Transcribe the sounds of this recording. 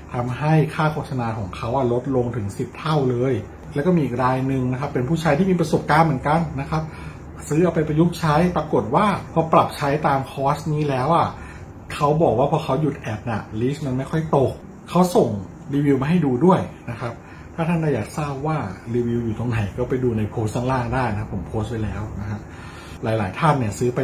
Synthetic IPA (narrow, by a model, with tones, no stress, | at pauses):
t̪ʰa˧mɦa˥˩jkʰaː˥˩kʰoː˥˩t̪̚sa˧naː˧kʰɔː˩˦ŋkʰa˦˥wʔa˨˩lo˦˥t̪̚lo˧ŋt̪ʰɯ˩˦ŋsi˨˩p̚t̪ʰa˥˩wlɤː˧j | lɛː˧˦˥wkɔː˥˩mi˧ʔiː˨˩k̚ɾaː˧jnɯ˨˧ŋna˦˥kʰa˦˥pːe˧npʰuː˥˩t͡ɕʰa˦˧jt̪ʰiː˥˩iː˧p̬ɾa˧so˨˩p̚kaː˧nmɯ˩˦nka˧nːa˦˥kʰa˦˥p̚ | sɯː˦˥ʔa˧˩pa˧jpɾa˧ju˦˥k̚t͡ɕʰa˦˥jpɾa˧ko˨˩t̪̚waː˥˩pʰɔ˦˥pɾa˨˩p̚t͡ɕʰa˦˥jt̪aː˧mkʰɔː˦˥stniː˦˥lɛː˦˥wʔa˨˩ | kʰa˦˥wbɔː˨˩k̚waː˥˩pʰɔː˧kʰa˦˥wju˨˩t̪̚ʔɛː˨˩p̚na˨˩liː˦˥sma˧nma˥˩jkʰxʰɔ˥˩jt̪o˨˧k̚ʰː | a˦˥wso˨˩ŋ | ɾiː˧wi˧wma˧ɦa˥˩jduː˧du˥˩əjna˦˥kʰa˦˥p̚ | t̪ʰaː˥˩t̪ʰa˥˩daː˥˩jaː˨˩k̚saː˥˩p̚waː˥˩ɾiː˧wi˧wju˨˩t̪o˧ŋna˨˩˦jkɔː˥˩pa˧jduː˧na˧jpʰoː˦˥st̪ʰa˥ŋlaː˥˩ŋdaː˥˩jna˧˦a˦˥pʰːo˩˦mpʰoː˦˥st̪̚pa˧jlɛː˦˥wna˦˥kʰa˦˥p̚ | laː˩˦jlaː˩˦jt̪ʰaː˥˩nːi˥˩ɐsɯː˦˥pa˧j